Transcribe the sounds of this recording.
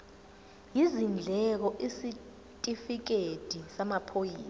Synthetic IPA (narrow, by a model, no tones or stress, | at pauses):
jizind͡ɮʱɛk̬ɔʔisi | tʼifik̬ed̥ʱisamapʰojiːsa